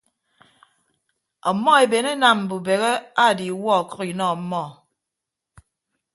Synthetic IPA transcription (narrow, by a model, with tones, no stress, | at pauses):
ɔ˨˦mːɔ˦e˨be˨ne˦na˨m̩˨bu˨be˨ɣe˦a˦˨di˨˦wɔ˦˨kɔ˦ɣi˨nɔ˦˨m̩˦mɔ˦˨